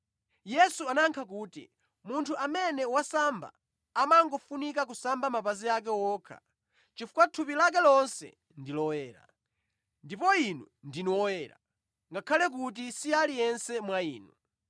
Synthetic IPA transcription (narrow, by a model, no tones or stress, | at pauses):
jɛsuanaŋkʰakuːtḭ | muntʰuamɛnɛwasamba̰ | amaŋɡɔfunikak̬usambamapaziak̬ɛwɔːkʰa̰ | t͡ʃifu̥katʰupilak̬ɛlɔnsɛ̰ | ndilɔwɛːɾa̰ | ndipɔinu | ndinwɔwɛɾa̰ | ŋɡakʰalɛk̬ut̬isialijɛnsɛmwaiːnu